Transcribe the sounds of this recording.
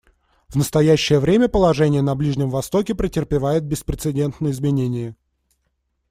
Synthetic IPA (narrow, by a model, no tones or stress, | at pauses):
vnəst̪ɐjæɕːɪjəvɾʲemʲəpəlˠɐʐɛnʲɪjənɐblʲiʐnʲɪmvɐst̪o̞kʲɪpɾʲɪtʲɪrpʲɪvajɪt̪̚bʲɪspɾʲɪt̪sɨdʲe̞nt̪nəjɪzmʲɪnʲenʲɪjə